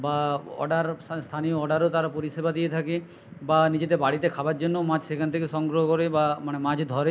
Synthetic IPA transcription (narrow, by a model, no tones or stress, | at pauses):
baɔ̰ɖaɾst̪ʰanijoɔɖaɾot̪aɾapoɾisebad̪ijet̪ʰaki | banid͡ʑed̪ebaɽit̪ekʰabaɾd͡ʒonːomãd͡ʒsekʰant̪ʰekesɔŋɡɾɔɦɔkɔɾebamanemãd͡ʒd̪ʱɔɾe